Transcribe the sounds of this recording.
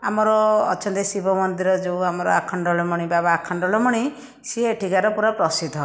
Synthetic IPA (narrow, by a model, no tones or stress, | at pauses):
amɔɾɔːt͡ʃʰɔnt̪isibʱɔmɔnd̪iɾɔd͡ʒewamɔɾɔ̰a̰kʰɔɳɖɔlɔmɔɽ̃ibabaːkʰɔɳɖɔlɔmɔɽ̃i | sieʈʰikaɾɔpuɾapɾɔsid̪ʱɔ